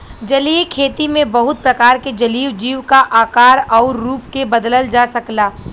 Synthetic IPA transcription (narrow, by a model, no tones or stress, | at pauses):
d͡ʒɐliːkʰeːt̪imẽbɐɦʊt̪̚pɾɐkaːɾked͡ʒɐliːʋd͡ʒiːʋkaʔaːkaːɾɔːɾːuːpkebəd̪ləld͡ʒasɐklaː